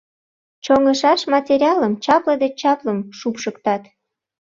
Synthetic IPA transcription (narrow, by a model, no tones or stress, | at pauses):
t͡ɕoŋəʃɑʃmɑtʲeɾʲiɑləmt͡ɕɑpləd̪et͡ɕɑpləmʃupʃəkt̪ɑt̪